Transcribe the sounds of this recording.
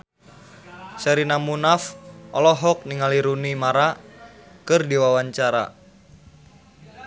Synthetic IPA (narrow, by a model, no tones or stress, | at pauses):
sɛɾinamunafʔɔlɔɦɔk̚niŋaliɾunimaɾa | kɨrdiwawaɲt͡ʃaɾa̰